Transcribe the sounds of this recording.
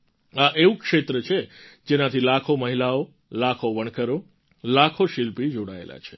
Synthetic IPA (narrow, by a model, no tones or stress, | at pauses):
aʔeʋũkʃet̪ɾət͡ʃʰed͡ʒenat̪ʰilakʰoməɦilao | lakʰoʋəɳ̃kəɾo | lakʰoʃilpid͡ʒoɽaḛla̰t͡ʃʰe̥